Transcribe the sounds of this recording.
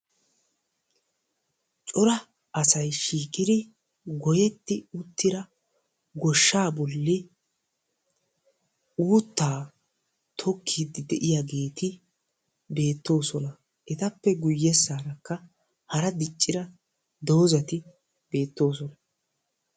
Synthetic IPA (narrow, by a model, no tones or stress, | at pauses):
t͡ʃʼɔɾɐ | ʔɐsɐjʃiːkʼɪd̪ɪ | ɡɔjɛt̪ːɪʊt̪ːɪɾɐ | ɡɔʃːaːbɔlːɪ | uːt̪ːaː | t̪ʰɔkʰːid̪ɪd̪ɛʔɪjaɡe̞ːt̪ʰɪ | be̞ːt̪ːo̞ːsɔnɐ | ʔɛt̪ɐpːɛɡʊjːɛsːaːɾɐkːɐ | hɐɾɐd̪ɪt͡ʃʼːɪɾɐ | d̪o̞ːzɐt̪ɪ | b̥e̞ːt̪ːo̞ːsɔnɐ